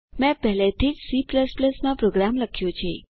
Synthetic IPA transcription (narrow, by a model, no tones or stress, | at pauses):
mɛ̃pɛɦlet̪ʰid͡ʒsipləspləsmãpɾoɡɾamləkʰjõt͡ʃʰḛ